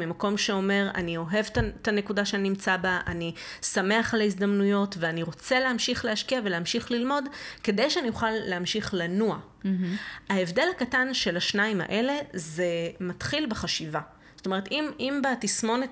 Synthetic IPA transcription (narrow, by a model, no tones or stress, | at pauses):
mimako̞mʃeo̞me̞ʁa̰nio̞ɦe̞vtatane̞kudaʃeaninimt͡sabaʔanisame̞aχleizd̪amnujo̞tveaniʁo̞t͡se̞leamʃiχleaʃkiave̞leamʃiχlilmo̞dke̞de̞jʃeanijuχalːeamʃiχlanua | aevde̞lakatanʃe̞laʃnaima̰ʔe̞le̞ze̞matχilbeχaʃiva | zotoe̞etimimbatismo̞net